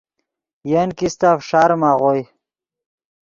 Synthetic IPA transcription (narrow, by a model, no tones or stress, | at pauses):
jankist̪afʂaɾmaʁoj